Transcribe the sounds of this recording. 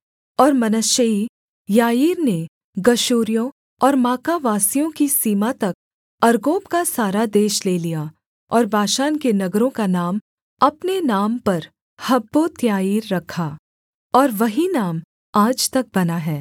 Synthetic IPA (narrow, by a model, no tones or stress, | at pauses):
ɔːɾmɐnəʃəi | jaːiːɾne | ɡɐʃuːɾijõ | ɔːɾmaːkaʋaːsijõkisiːmat̪ɐk̚ | ɐɾɡoːbkasaːɾad̪eːʃleːlija | ɔːɾbʱaːʃaːnkenɐɡɾõkanaːm | ɐpnenaːmpɐɾ | hɐbːot̪jaːiːɾːɐkʰaː | ɔːɾʋɐɦinaːm | aːd͡ʒt̪ɐk̚bɐnaɦɛː